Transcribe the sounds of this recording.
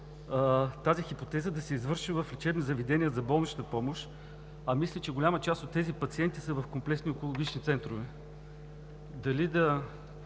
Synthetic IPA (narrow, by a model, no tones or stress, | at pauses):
t̪azixipot̪ɛzəd̪ɐsɛizvɤɾʃivɐflʲɛt͡ʃɛbnizɐvid̪ɛnʲiəzɐbɔlˠnit͡ʃ̪t̪əpɔmoʃ | ɐmislʲɛt͡ʃɛɡʊlʲamət͡ʃast̪ot̪ːɛzipɐt̪siɛnt̪isəvɐfkomplɛksniokolˠoɡʲit͡ʃnit̪sɛnt̪ɾovɛ | d̪ɐlid̪ɐ